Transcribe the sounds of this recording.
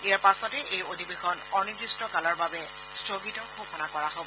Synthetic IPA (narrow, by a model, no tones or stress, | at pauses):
iaɹpasɔtɛʔejodʱibexɔnɔɹnidɹistɹɔkalɔɹbabɛ | stɹoɡitɔkʰoxɔnakɔɹaɦobɔ